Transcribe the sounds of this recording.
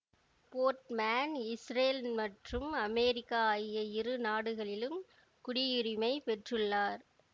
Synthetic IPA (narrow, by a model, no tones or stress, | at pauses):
poːɾʈmaːnɪsɾeːlmɐʈrɯmɐmɛːɾɪkːaaːjɪjɐɪrɯnaːɽɯɣɐɭɪlɯm | kʊɽɪjɪrɪmɐɪpɛʈrɯɭːaːɾ